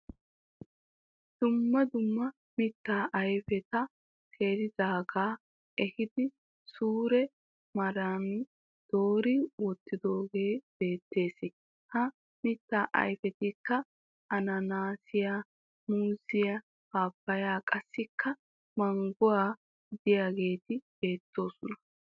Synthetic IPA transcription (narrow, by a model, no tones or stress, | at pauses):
d̪̥ʊmːɐd̪ʊmːɐ | mɪt̪ːaːʔɐjfɛt̪ɐ | tʰeːɾɪdaːɡaː | ɛhɪd̪ɪ | suːɾɛ | mɐɾan | d̪̥o̞ːɾɪwɔt̪ːɪd̪o̞ːɡe̞ːb̥e̞ːt̪ːe̞ːsɪ | hɐ | mɪt̪ːaːʔɐ̰jfɛt̪ɪkːɐ | ɐnɐnaːsɪja | muːzɪjɐ | baːpːɐjaːkʼɐsːɪkːɐ | mɐŋɡʊwaː | d̪ɪjaːɡe̞ːt̪ɪb̥e̞ːt̪ːo̞ːsʊnɐ